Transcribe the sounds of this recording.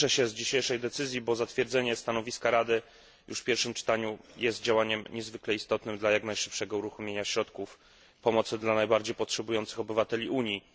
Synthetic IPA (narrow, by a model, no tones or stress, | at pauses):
ɛɕɛzd͡ʑiɕejʂɛjd̪ɛt̪sɘzʲjibɔzat̪fʲjɛɾd̪zɛɲɛst̪anɔvʲiskaɾad̪ɘ | jʔṵʂfpʲjɛɾfʂɘmt͡ʂɘ̥t̪aɲujɛst̪̚d͡ʑawaɲɛmɲɛzvɘklɛist̪ɔt̪nɘmd̪lajaknajʂɘ̥pʂɛɡɔuɾuxɔmʲjeɲaɕɾɔt̪kuf | pɔmɔt̪sɘd̪lanajbaɾd͡ʑejpɔtʂɛbujɔnt̪sɘ̥xɔbɘvat̪ɛlʲiʔuɲi